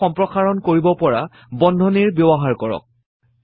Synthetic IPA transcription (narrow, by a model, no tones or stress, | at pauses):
ɔmpɹɔxaɹɔnkoɹibɔpɔɹa | bɔndʱɔniɹbjɔbɔɦaɹkɔɹɔ̰k̚